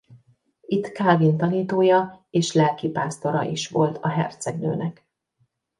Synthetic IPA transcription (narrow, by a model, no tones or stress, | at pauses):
it̪ːkaːlvint̪ɒniːt̪oːjɒeːʃlɛlkipaːst̪o̞ɾɒ̰ʔiʃʋo̞lt̪ʰɒɦɛ̰rt̪sɛɡnø̰ːnɛk